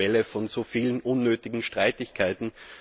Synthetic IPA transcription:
ɛləfɔnzoːfiːlənʔʊnːøːtɪɡŋ̩ʃtʁ̥aɪtɪçkʰaɪtn̩

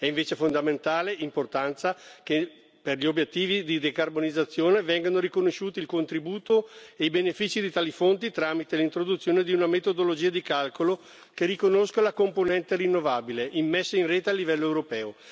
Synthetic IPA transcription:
ɛiɱveːt͡ʃefond̪ament̪aːleimport̪ant̪sake | perʎiobjet̪ːiːvid̪id̪ekarbonid̪zːat̪sːjoːnevɛŋɡanoɾikonoʃːuːt̪iːlkont̪ɾibuːt̪oeibenefiːt͡ʃid̪it̪aːlifont̪it̪ɾaːmit̪elint̪ɾod̪ut̪sːjoːned̪iunamet̪od̪olod͡ʒiːad̪ikalkolo | kerikonoskalakomponɛnt̪erinːovaːbileʔimːesːeinreːt̪ealːivɛlːoewɾopɛːo

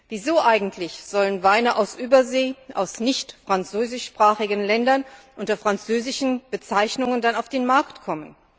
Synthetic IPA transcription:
viːzoːʔaɪɡŋ̩tʰlɪçz̥ɔlənvaɪnəʔaʊsʔyːbɐzeːʔa̰ʊsnɪçtfʁ̥ant͡søːzɪʃpʁ̥aːχɪɡənlɛndɐnʔʊntɐfʁ̥ant͡søːzɪʃn̩b̥ət͡saɪçnʊŋəndanaʊfd̥eːnmaɐktkʰɔmən

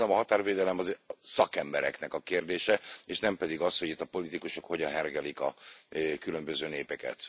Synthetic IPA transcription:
ɒmɒɦɒt̪aːrveːd̪ɛlɛmɒzsɒkɛmbɛɾɛ̰knɛkɒkeːrd̪eːʃɛeːʃnɛmpɛd̪iɡɒsho̞ɟit̪ːɒpo̞lit̪ikuʃokho̞ɟɒnɦɛrɡɛlikɒ̰kylø̞mbøzøːneːpɛkɛ̰t̪

